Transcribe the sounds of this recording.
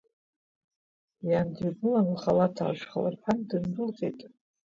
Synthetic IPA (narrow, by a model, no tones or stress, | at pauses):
jandiɡɨlanlχalatʰa̰ʂχa̰la̰rħʰandɨndɨlqʼḛjtʼ